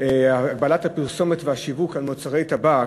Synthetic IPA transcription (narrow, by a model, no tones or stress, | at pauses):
aːɡ̚balathapiʁso̞metveaʃivukalmot͡saʁejt̪aba